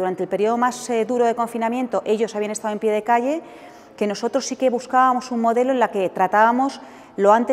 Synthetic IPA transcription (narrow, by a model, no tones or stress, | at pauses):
uɾant̪e̞lpe̞ɾio̞ðo̞mazðuɾo̞ðe̞ko̞ɱfinamjẽ̞nt̪o̞ʔe̞ʎo̞saβianest̪aðoe̞mpjeð̞e̞kaʝe̞ | ke̞no̞so̞t̪ɾo̞sːike̞βuskaβamo̞suŋmo̞ðe̞lo̞enlake̞t̪ɾat̪aβamo̞s | lo̞ant̪e